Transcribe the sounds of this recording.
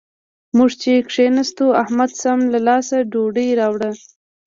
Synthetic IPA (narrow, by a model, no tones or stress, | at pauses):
muʐt͡ʃekʂenast̪uahmad̪samlalɑsaɖoɖijɾɑwɽə